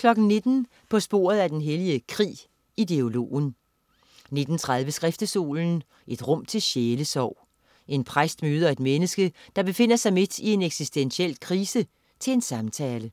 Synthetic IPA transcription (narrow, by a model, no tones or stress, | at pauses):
kʰlɒ̽ɡ̥n̩ne̝d̥n̩ | pʰɒ̽sb̥o̝̰ːɐðˠæd̥enɦeliəkʰʁḭː | id̥e̝o̝lo̝̰ːn | ne̝d̥n̩t͡sʰʁað̞ˠʋəsɡ̥ʁɛfd̥əso̝̰ːln̩ | ʔe̝d̥ʁɔ̽m̰t͡sʰe̝lɕeːləsɒʊ̰ | ʔe̝npʰʁasd̥møːð̞ˠɐe̝d̥menəsɡ̥əd̥ɑ̈b̥e̝fe̝n̰ɐsɑ̈ɪme̝d̥ie̝neɡ̥sisd̥enɕiel̰kʰʁiːsə | t͡sʰe̝le̝nsɑ̈mt͡sʰɛːlə